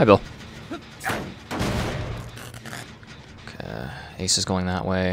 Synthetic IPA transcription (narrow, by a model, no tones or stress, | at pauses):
aɪbɪlˠ | kʰḛisɨzɡoʊɪ̃ŋðəʔweɪ